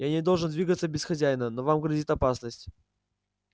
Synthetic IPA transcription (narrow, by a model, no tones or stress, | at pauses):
janʲɪd̪o̞lˠʐɨnd̪vʲiɡət̪səbʲɪsxɐzʲæjnənovamɡɾɐzʲit̪ɐpasnəsʲtʲ